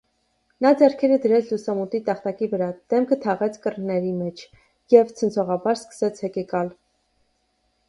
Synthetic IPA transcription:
nɑd͡zɛɾkʰɛɾəd̪əɾɛt͡sʰlusɑmut̪it̪ɑχt̪ɑkivəɾɑd̪̥ɛmkʰət̪ʰɑʁɛt͡sʰkərnɛɾimɛt͡ʃʰ | jɛvt͡sʰənt͡sʰɔʁɑbɑɾskə̥sɛt͡sʰhɛkɛkɑl

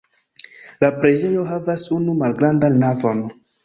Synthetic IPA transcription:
lapɾed͡ʒejoɦavasunumalɡɾandanːavon

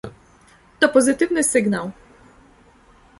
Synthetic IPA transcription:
t̪ɔpɔzɘt̪ɘvnɘsɘɡnaw

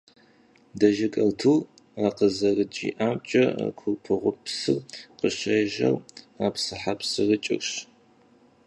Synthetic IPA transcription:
dɐʒɪkʼɐltʰuː | aqəzɐrɨt͡ʃʼḭːʔaːmt͡ʃʼɐ̰kʷʰʊrpʰɨʁʷʊpsɨrqəʃɐjʒɐ̰r | aːpsɨħapsɨrɨt͡ʃʼɪ̰rɕ

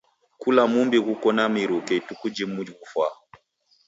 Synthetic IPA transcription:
kulamumbiɣukɔnamiɾukɛitukud͡ʒimud͡ʒikufwa

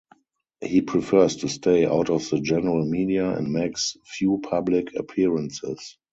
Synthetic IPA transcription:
hiːpʰɹifɜ˞stʰustʰeɪa̰ʊtɔfðəd͡ʒɛnəɹəlmiːdiaɛ̰̃ndmeɪksfjuːpʰablɪkʰə̰pʰiɹə̃nsɪ̰s

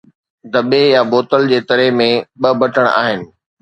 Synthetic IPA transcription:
d̪ɐbejaboːt̪əld͡ʑeːt̪ɐɾemẽɓɐbʱɐʈʰəɽ̃a̰ːɦɪnɪ̆

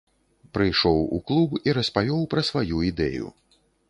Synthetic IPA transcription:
pɾɨjʂɔwṵklˠubiɾɐspavʲɔwpɾɐsvajuid̪ɛ̰jṵ

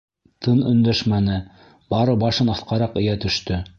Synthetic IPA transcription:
t̪ʰɤnɵ̆nd̪æʃmænɘ | bɑɾɤbɑʃɤnɑθqɑɾɑqɵ̆jæt̪ɵ̆ʃt̪ɵ

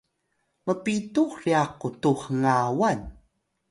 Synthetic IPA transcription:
məpituxriaqutuχəŋawan

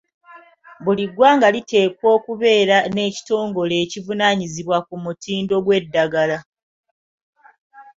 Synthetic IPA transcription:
βuliɡwaːŋɡalite̞ːkwo̞ːkuβe̞ːɾane̞ːci̥to̞ːŋɡo̞le̞ːcivunaɲiziβwakumutiːndo̞ɡwe̞dːaɡala

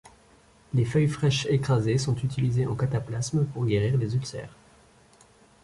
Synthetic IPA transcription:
lefœjfχɛʃekχazesɔ̃t̪yt̪ʰilizeʔɑ̃kat̪aplasmpuʁɡeʁiʁlezylsɛ̰ːʁ

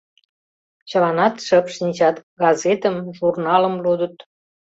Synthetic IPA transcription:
t͡ɕəlɑnɑt̪ʃəpʃinʲt͡ɕɑt̪ɡɑzet̪əmʒurnɑləmlud̪ət̪

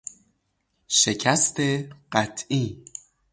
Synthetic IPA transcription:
ʃe̞cʰæst̪ʰeɢ̥æt̪ʰʔiː

